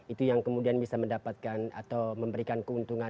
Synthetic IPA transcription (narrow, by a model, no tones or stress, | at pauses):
it̪ujaŋkəmudianbisaməndapat̪̚kana̰t̪awməmbəɾikankəunt̪uŋa